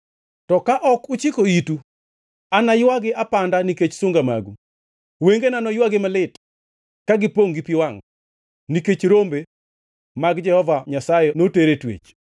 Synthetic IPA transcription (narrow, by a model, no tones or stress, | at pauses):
tɔkaʔɔkʊt͡ʃɪkoitu | anajwaɡɪʔapandaniket͡ʃsʊŋɡama̰ɡṵ | weŋɡenanɔjwaɡɪmalɪt | kaɡɪpoŋɡipiwaŋ | niket͡ʃɾombe | maɡd͡ʒɛhɔvaɲasajenoteɾetwḛt͡ʃ